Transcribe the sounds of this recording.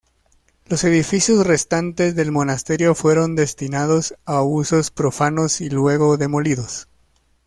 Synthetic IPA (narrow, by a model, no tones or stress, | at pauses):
lo̞se̞ðifisjo̞sre̞st̪ant̪e̞zðe̞lmo̞nast̪e̞ɾjo̞fwe̞ɾo̞nd̪e̞st̪inað̞o̞saːβuso̞spɾo̞fanosilwe̞ɣo̞ðe̞mo̞liðo̞s